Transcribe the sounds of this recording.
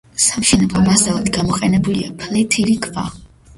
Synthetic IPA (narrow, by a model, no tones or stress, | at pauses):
samʃɛnɛbˠɔmasavad̪ɡamɔqʼɛnɛbuliapʰlɛt̪ʰilikʰʼva̰